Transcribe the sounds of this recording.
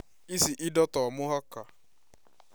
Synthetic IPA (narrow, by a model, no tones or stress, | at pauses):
isiʔɪdɔtɔmʊɦɔka